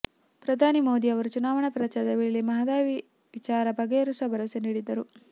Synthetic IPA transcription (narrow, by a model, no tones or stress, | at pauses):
pɾɐd̪ʱaːnimoːd̪iɐʋɐɾut͡ʃunaːʋɐɳɐpɾɐt͡ʃɐd̪ɐʋiɭimɐɦɐd̪aːʋi | ʋit͡ʃaːɾɐbɐɡeɐɾusɐbʱɐɾɐseniːɽid̪ɐɾu